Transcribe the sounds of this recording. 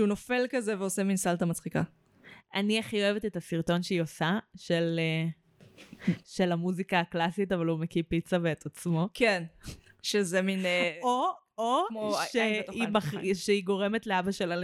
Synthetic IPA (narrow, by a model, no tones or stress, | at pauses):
unofe̞lkazeveoseminsaltamat͡sχika̰ | aniaχioevetetasiʁto̞nʃeio̞saʃele | ʃelamuzikaːklasitavalumekipit͡saveːt̪at͡smo̞ken | ʃezemino | omoʃeimaʃeiɡo̞ʁe̞metleabaʃela